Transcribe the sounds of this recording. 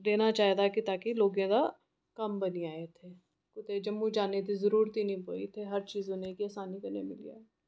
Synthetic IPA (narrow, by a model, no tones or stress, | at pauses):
d̪eːnaːt͡ʃaːɦd̪aːkit̪aːkiloːɡẽːd̪aː | kəmbəniaːet̪ʰeː | kʊt̪ed͡ʒəmːũd͡ʒaːned̪izəɾuːɾt̪inəĩːpo̰ːḭt̪ʰeɦəɾt͡ʃiːzonekiəːsaːnikəɾnḛmɪlḭja̰ːɛː